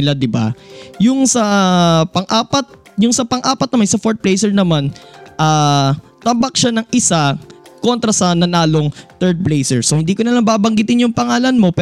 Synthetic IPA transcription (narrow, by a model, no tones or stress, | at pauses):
ɪlad̪ɪba̰jʊŋsɐpɐŋʔaːpɐt̪̚jʊŋsɐpɐŋʔaːpɐt̪̚nɐmansɐfoɹt̪̚plejsɛɹnɐmanʔaːt̪ɐmbɐk̚ʃanɐŋʔɪsako̞nt̪ɾɐsɐnɐnaːlo̞ŋt̪ɛɹd̪̚plejsɛɹsohɪnd̪iːkonɐlaŋbaːbɐŋɡɪt̪ɪnjʊŋpɐŋaːlɐnmo̞pɛ